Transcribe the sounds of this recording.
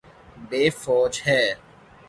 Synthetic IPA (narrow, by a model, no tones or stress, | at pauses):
beːfɔːd͡ʒhɛː